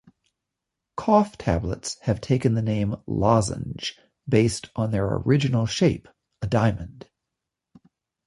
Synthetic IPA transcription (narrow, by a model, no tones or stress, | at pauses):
kʰɔftʰæblə̰tshɨv̥tʰeɪkɨ̃nðɨnẽɪ̃mlɑzə̰̃nd͡ʒ | beɪstn̩ðə˞ə̰ɹɪd͡ʒɨnl̩ˠʃeɪp | ədãɪ̃mɨ̃nd̥